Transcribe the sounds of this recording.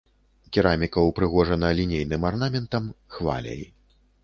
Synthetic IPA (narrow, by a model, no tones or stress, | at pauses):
kʲiɾamʲikɐwpɾɨɣɔʐɐnɐlʲinʲejnɨmarnamʲɛnt̪ɐmxva̰lʲɐ̰j